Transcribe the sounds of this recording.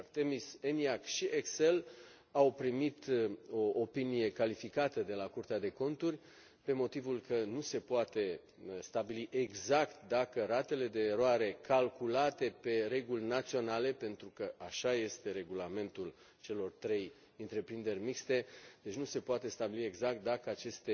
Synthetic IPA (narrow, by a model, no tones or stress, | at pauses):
t̪emiseniakʃiʔeksel | awpɾimit̪o̞ːpinije̞kalifikat̪əd̪e̞lakurt̪ead̪e̞ko̞nt̪urʲ | pe̞mo̞t̪ivulkənuse̞poat̪e̞ | st̪abiliʔe̞ɡzakt̪d̪akəɾat̪e̞le̞d̪e̞ːɾoaɾe̞kʰalkulat̪e̞pe̞ɾe̞ɡulʲnat̪sio̞nale̞pe̞nt̪ɾukəaʃaje̞st̪e̞ɾe̞ɡulame̞nt̪ul | t͡ʃe̞lo̞rt̪ɾe̞j | ɨnt̪ɾe̞pɾind̪e̞rʲmikst̪e̞d̪̥e̞t͡ʃnuse̞poat̪e̞st̪abilie̞ɡzak̚t̪̚d̪akəat͡ʃe̞st̪e